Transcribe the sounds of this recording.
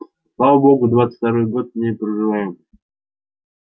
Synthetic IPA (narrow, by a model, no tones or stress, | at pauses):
slˠavəboɡʊd̪vat̪sə̥t̪aɾojɡot̪̚mnʲejpɾəʐɨvajɪm